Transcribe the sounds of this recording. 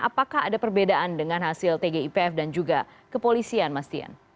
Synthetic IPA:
a̰pakaɦadapərbedaʔandəŋanɦasɪlt̪eɡeipeɛfdand͡ʒuɡa | kəpolisianmast̪ia̰n

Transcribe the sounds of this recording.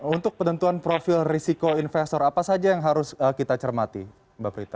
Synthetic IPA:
unt̪ʊk̚pənənt̪uanpɾofɪlrisikoinfest̪ɔɾapasad͡ʒajaŋɦaɾʊsəkit̪at͡ʃərmat̪ḭ | bapɾit̪a

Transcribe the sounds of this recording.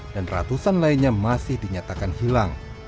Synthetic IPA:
d̥anra̰t̪usanlainɲamasɪhdiɲat̪akanhilaŋ

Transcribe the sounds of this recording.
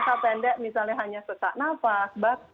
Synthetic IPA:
kapɛndɛʔmis̬alnaɦaɲasəta̰ʔnafasbak̚

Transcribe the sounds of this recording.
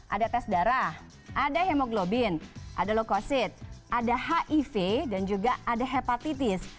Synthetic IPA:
ʔa̰dat̪ɛsdaɾah | ʔadaɦemoɡlobɪnʔa̰dalokosɪt̪̚ʔadahaʔifedand͡ʒuɡaadaɦepat̪it̪ɪs

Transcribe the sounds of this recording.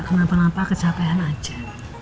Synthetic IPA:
knapənapakət͡ʃʰapɛɦanad͡ʒɛ

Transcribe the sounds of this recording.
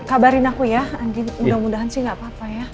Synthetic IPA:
kabaɾɪnakujaandinmudamudaɦansihŋɡapaːpaja

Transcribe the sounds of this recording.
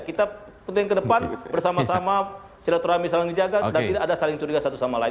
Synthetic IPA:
kit̪a | pənt̪ɪŋkədəpanbərsamasama | siɾat̪uɾamisamandid͡ʒaɡadant̪idaʔːdasalɪŋt͡ʃuɾiɡasat̪usamala

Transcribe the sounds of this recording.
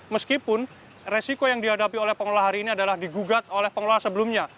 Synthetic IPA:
məskipʊn | resikojaŋdiɦadapiolɛhpəŋloaɦaɾiːniadalahdiɡuɡat̪̚olɛhpəŋoloasəbəlumɲa

